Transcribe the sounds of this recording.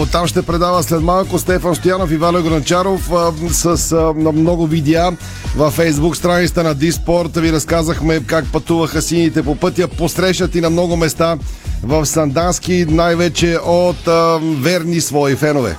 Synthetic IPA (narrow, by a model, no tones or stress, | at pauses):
t̪amʃt̪ɛpɾɛd̪avəslɛt̪malˠkost̪ɛfɐnst̪ojanofivalɛɡoɾɐnt͡ʃaɾofsəsnɐmnɔɡovid̪ɛa | vɐfːɛjzbukst̪ɾanit̪ət̪ənɐd̪ispɔɾt̪viɾɐskazəxmɛkak̚pɐt̪uvəxəsinit̪ɛpopɤt̪jəposɾɛʃnɐt̪inɐmnɔɡʊmɛst̪avɐfsɐnd̪ansk̟inajvɛt͡ʃɛʔot̪vɛɾnisvɔifɛnovɛ̰